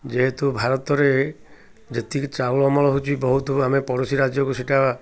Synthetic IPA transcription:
d͡ʒeɦet̪ubʱaɾɔt̪ɔɾe | d͡ʒet̪it͡ʃalɔmɔlɔɦut͡ʃʰibɔɦut̪ɔamepɔɾosiɾad͡ʒjɔkusiʈaba

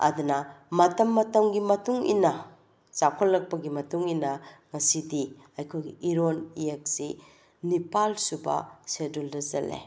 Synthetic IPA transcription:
ɐ̰d̪unɐmɐtɐmːɐtɐmɡimɐtuŋḭnɐ | t͡ʃakʰɐlːɐk̚pɐɡimɐtuŋinɐŋɐsidi | ɐjkʰojɡiʔiɾoniek̚si | nipalsubɐ̰seduldɐzɐlḛ

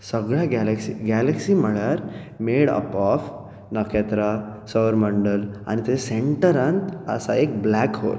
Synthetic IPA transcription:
sɐɡɭaɡalɐksiɡælɐksimɐɭaɾ | meːɽɐ̰paf | nɐket̪ɾasɐʋəɾmɐɳɖəla̰nit̪ɐeseɳʈəɾant̪ɐ̰saeːk̚blaːkho̰ːɾ

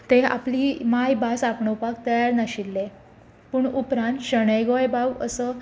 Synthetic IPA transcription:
t̪ea̰pliːmajbasapɳəwpakt̪əjaɾnaɕilːe | puːɳupɾãnt̪ɕəɽ̃əjɡojbawəsə

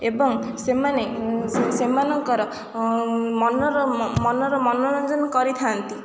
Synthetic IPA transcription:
ebɔŋsemanesemanɔŋkɔɾɔ | mɔnɔɾɔmɔnɔɾɔmɔnɔɾɔnd͡ʒɔnɔkɔɾit̪ʰant̪i

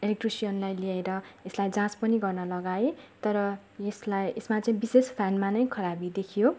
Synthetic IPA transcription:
elek̚ʈrisijʌnlajliaeɾʌeslajd͡zãspʌniɡʌrnʌlʌɡaet̪ʌɾʌ | jeslajesmat͡saĩbisespʰanmanʌjkʰʌɾabid̪ekʰijo

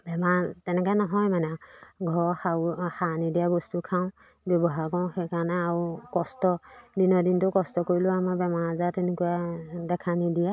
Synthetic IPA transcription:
bɛmatɛnɛkanɔɦɔjmanɛɡʱɔɹxaxanidijabɔstukʰaw̃ | bɔbɔɦakɔ̃w̃xɛkanaaukɔstɔdinɔdintʊkɔstɔkoɹilʊamabɛmaɹazatɛnekujadɛkʰanidija

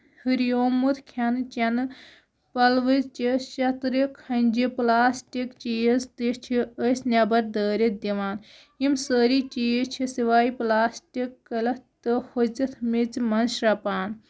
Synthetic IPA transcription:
hɨɾjoːmut̪ʰkʲʰɐnt͡ʃɐnɨ | pɐlʋɨt͡ʃiʃɐt̪ɾikʰɐnʲd͡ʒiplaːsʈikt͡ʃijizt̪it͡ʃʰiəsnʲɐbɐɾd̪əːɾid̪iʋaːn | imsəːɾit͡ʃijit͡ʃʰisiʋaːiplaːsʈikːɐlɐt̪ɨhot͡sit̪ʰmit͡simɐnʃɾɐpaːn

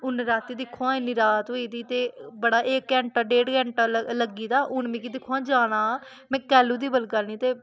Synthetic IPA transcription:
ʊnɾaːt̪ːiːd̪ɪkʰːoãːɪnːiːɾaːt̪ɦoːiːd̪iːt̪eːbəɽaːʔɪkːɛ̃ːɳʈaːɖeːɖkɛ̃ːɳʈaːləɡiːd̪aːʔʊnmĩːkiːd̪ɪkʰːoãːd͡ʒaːɽ̃ãː | mɛ̃ːkɛːluːd̪iːbəlkəɾniːt̪eː

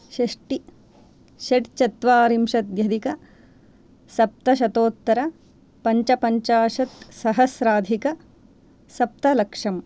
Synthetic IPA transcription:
ʃɐʂʈi | ʃeʈt͡ʃɐt̪ʋaːɾimʃɐt̪jɐd̪ikɐ | sɐp̚t̪ɐʃ̬ɐt̪oːt̪ːɐɾɐ | pɐɲt͡ʃɐpɐɲt͡ʃaːʃɐt̪sɐɦɐsɾaːd̪ʱikɐ | sɐp̚t̪ɐlɐkʂɐm

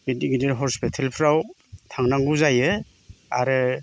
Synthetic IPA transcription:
bidiɡideɾɦɔspitʰalpʰɯɾaw | tʰaŋnaŋɡuzajɯ | a̰ɾɯ

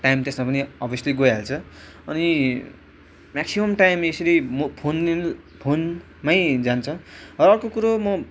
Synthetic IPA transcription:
ʈajmt̪esmapʌniʌbʱʌsʌliɡojɦelt͡sʰʌ | ʌni | maksimʌmʈajmesʌɾimʌpʰon | pʰon | majd͡zant͡sʰʌʌʌrkokuɾomʌ

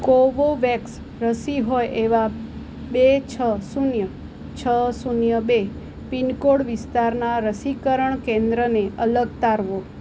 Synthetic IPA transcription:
koʋoʋɛks | ɾəsiɦojʔeʋa | bet͡ʃʰəsunjə | t͡ʃʰəsunjəbe | pinkoɽʋɪst̪aɾnaɾəsikəɾəɳkẽnd̪ɾəneʔələɡt̪aɾʋo

